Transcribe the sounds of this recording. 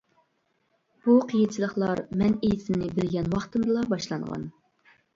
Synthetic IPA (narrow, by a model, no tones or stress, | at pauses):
b̥uqʰijint͡ʃʰilˠəχlˠɑɾmɛnejɪsɪnɪbɪɾɡʲɛnwɑχt̪ɨmd̪ɨlˠɑbɑʃlˠɑɴʁɑ̰n